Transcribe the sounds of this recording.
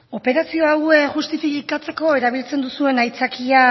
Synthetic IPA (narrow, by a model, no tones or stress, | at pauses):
o̞pe̞ɾasio̞aweʝust̪ifikat͡se̞ko̞eɾaβ̞ilt͡se̞nd̪usue̞najt͡sakia